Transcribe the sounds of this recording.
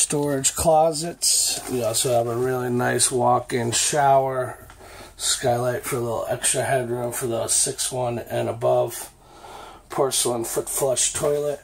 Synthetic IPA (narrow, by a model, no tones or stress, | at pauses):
stɔɹɨdʒ̥kʰl̥ɑzɨtsjɔsoʊəvəɹɪlˠinaɪswɔkɪ̃ŋʃaʊə˞ | skaɪlaɪtfə˞əlɪɾl̩ˠɛ̰kstɹ̥ɨhɛd̚ɹʉ̃ɱfə˞ðəsɪkswʌ̃nɨ̃nəbʌv̥ | pʰɜ˞sl̩ˠə̃nfflɛʃtʰɔɪlˠət̚